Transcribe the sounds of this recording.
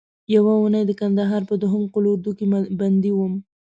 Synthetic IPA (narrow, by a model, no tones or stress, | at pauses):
jawaunəjd̪əkand̪aɦɑɾpəd̪ʊɦəmqʊlouɾd̪ukeband̪iwəm